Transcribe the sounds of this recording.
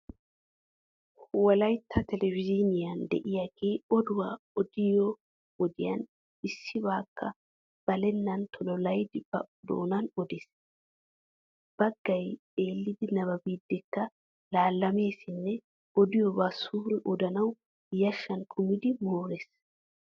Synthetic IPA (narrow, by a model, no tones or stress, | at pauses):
wɐlɐjt̪ʰːɐt̪ɛlɛvɪzɪnɪjɐnd̪ɛ̰ʔɪjaɡeːɔd̪ʊwaː | ɔd̪̥ɪjɔ | ɔd̪ɪjɐ̰n | ɪsːɪbaːkːɐ | b̥ɐlɛnːɐnt̪ʰɔlɔlɐjd̪ɪb̥ɐ̰d̪o̰ːnɐnɔd̪es | b̥ɐɡːɐj | e̞ːlːɪd̪ɪnɐβɐbiːd̪ːɛkːɐ | laːlːɐme̞ːsɪnːɛ | ɔd̪ɪjɔbɐsuːɾɛʔɔd̪ɐnɐw | jɐʃːɐnkʰʊmɪd̪ɪmoːɾes